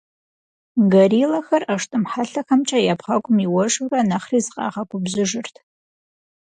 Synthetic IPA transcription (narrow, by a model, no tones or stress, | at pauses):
ɡɐɾiːlɐxɐraʂtʼɨmħaɬɐxɐmt͡ʃʼɐjapχaɡʷʼʊmiwɔʐranɐχrizɨqʼɑ̰ːʁɐɡʷʼʊbzɨʐɨrtʰ